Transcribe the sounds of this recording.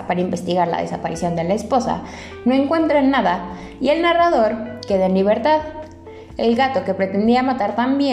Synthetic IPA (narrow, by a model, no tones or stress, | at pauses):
paɾaimbe̞st̪iɣaɾla̰ð̞esapaɾisjo̞nd̪e̞laespo̞sa̰ | no̞e̞ŋkwe̞nt̪ɾanːaða | ie̞lnaraðo̞ɾke̞ðenliβ̞e̞ɾt̪að | elɣat̪o̞ke̞pɾet̪e̞nd̪iamat̪aɾt̪ambje